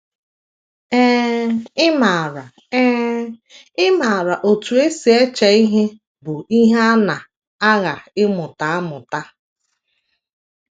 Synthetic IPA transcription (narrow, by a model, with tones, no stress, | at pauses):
ɛ˦ɪ˦ma˨ɾa˨˦ | ɪ˦ma˨ɾa˨ʔo˨tu˨e˦si˨e˦t͡ʃa˨i˦ɦe˦ | bʊ˨i˦ɦe˦a˦na˨ | a˦ɣa˨ɪ˦mʊ˨ta˨a˦mʊ˨ta˦